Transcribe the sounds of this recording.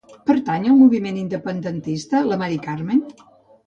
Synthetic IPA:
pəɾt̪aɲəlˠmuβimenind̪əpənd̪ənt̪ist̪ələmaɾikarmen

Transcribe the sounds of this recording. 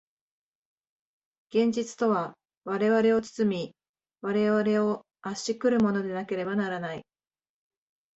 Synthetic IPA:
ɡ̥ẽ̞ɲ̟d͡ʑit͡sɨ̥t̪o̞βa | βaɾe̞βaɾe̞o̞t͡sɨ̥t͡sɨmʲi | βaɾe̞βaɾe̞o̞ | aɕikɯ̟ɾɯ̟mo̞no̞d̪e̞nake̞ɾe̞banaɾanai

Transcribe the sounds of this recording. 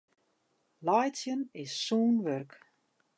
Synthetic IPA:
lajtsjənɪsːuːnʋørk

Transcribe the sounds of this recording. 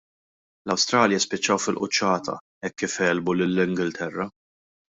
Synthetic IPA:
lɐwst̪ɾɐːljɐspɪt͡ʃːɐwfɪlʔʊt͡ʃːɐːt̪ʰɐ̰ | ɛkːifɛːlbulɪlːɪŋɡɪlt̪ʰɛrːɐ

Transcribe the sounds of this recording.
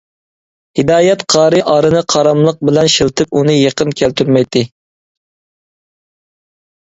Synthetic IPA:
hɪd̪ɑːjɛt̪qʰɑːɾɨʔɑːɾɨnɨqʰɑɾɑmlˠəq̚bɪlɛnʃilˠt̪ʰɨpunɨjeqənkʲʰælt̪ʰyɾmɛjt̪ʰːɪ

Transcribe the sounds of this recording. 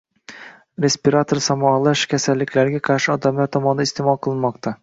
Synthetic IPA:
ɾespiɾat̪ʰoɾsɑmuɑlˠɑʃkʲʰɛsælːɪkʲlæɾɡʲɛqʰɑɾʃɪɒd̪ɑmlˠɑɾt̪ʰɒmɑnd̪ɑist̪emɑlˠqʰəlˠɨnmɑqt̪ɑ

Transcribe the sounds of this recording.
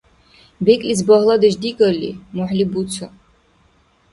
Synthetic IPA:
bɛkʼlis̬bɔɦlˠad̪ɛʃd̪iɡɔlḭmɔħlibut̪sʰɔ

